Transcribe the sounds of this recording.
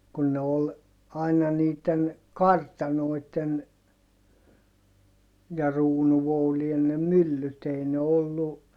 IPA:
kun ne ol ɑinɑ niːtˑen kɑrtɑnoitˑen jɑ ruːnuʋoulien ne mylːyt ei ne olːu

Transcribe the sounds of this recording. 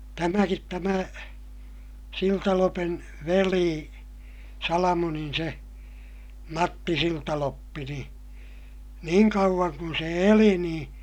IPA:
tæmækit tæmæ siltɑlopen ʋeliː sɑlɑmonin se mɑtːi siltɑlopːi ni niːŋ kɑuʋ̆ɑŋ kun se eli nĩː

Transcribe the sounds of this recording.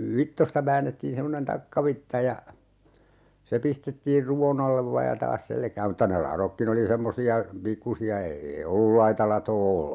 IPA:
ʋitːostɑ ʋæːnːetːiːn semːonen tɑkːɑʋitːɑ jɑ se pistetːiːr ruwon ɑlːeʋ ʋɑːj jɑ tɑːs selkæːm mŭtːɑ ne lɑrokːin oli semːosiɑ pikːusiɑ eːei olːul lɑitɑ lɑtoː

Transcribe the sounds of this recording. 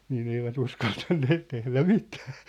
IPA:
niːn eiʋæt uskɑltɑnːeːt tehlæ mitæ̥ː

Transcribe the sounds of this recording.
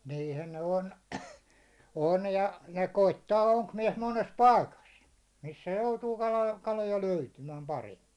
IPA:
niːhæn ne on on jɑ jɑ koitːɑː oŋkmiɛs mones pɑikɑs misːæ joutuː kɑlɑ kɑlojɑ løytymæːm pɑremːi

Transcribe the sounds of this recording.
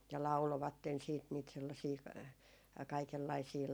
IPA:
jɑ lɑuloʋɑtːen siːt niːt selːɑsiː kɑikelːɑisiː

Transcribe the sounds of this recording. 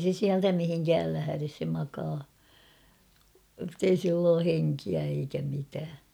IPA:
se siæltæ mihiŋkæːl læhæres se mɑkɑː ə̆tːei silː oː heŋkiæ eikæ mitæː

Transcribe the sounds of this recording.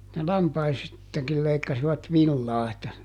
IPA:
ne lɑmpɑistɑkil leikːɑsiʋɑt ʋilːɑː etːæ

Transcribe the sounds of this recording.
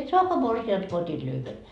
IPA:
et soɑkoɑ morsind̥ ko otʲit lyhʋen

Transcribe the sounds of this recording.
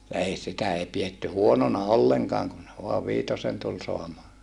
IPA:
jɑ ei sitæ ei pietːy huononɑ olːeŋkɑːŋ kun ʋoɑʋ ʋiːtosen tul soɑmɑː

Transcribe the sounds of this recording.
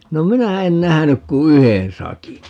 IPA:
no minæ en næhænyk ku yhen sɑkin

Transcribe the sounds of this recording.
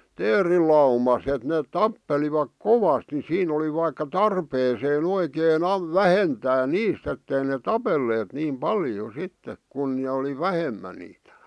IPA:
teːrilɑumɑs et neːt tɑpːeliʋɑk koʋɑst ni siːn oli ʋɑikːɑ tɑrpeːseːn oikeːn ɑm ʋæhentæː niːst etːei ne tɑpelːeːt niːm pɑljo sitːek kun nĕ oli ʋæhemæ niːtæ̥

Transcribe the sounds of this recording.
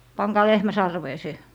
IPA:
pɑŋkɑː lehmæ sɑrʋeː se

